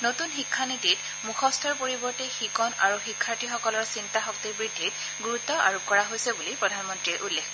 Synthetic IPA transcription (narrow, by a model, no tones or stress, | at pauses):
notunxikʰːanitit | muxʰɔstʰɔɹpoɹibɔɹtɛxikɔna̰ɹuxikʰːaɹtixɔkɔlɔɹsintaxɔk̚tiɹbɹidʱːit̚ | ɡuɹutːɔa̰ɹukɔɹaɦojsɛbulipɹɔdʱanmɔntɹiɛʔulːekʰ